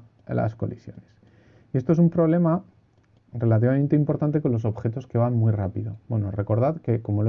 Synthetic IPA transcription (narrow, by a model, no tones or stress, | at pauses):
lʔa̰sko̞lisjo̞̰ne̞s | iest̪oe̞sumpɾo̞β̞le̞ma | re̞lat̪iβament̪e̞impo̞ɾt̪ant̪e̞ko̞nlo̞s̬o̞βxe̞t̪o̞ske̞βanmujrapiðo̞bwe̞no̞re̞ko̞ɾð̞aðke̞ko̞mo̞l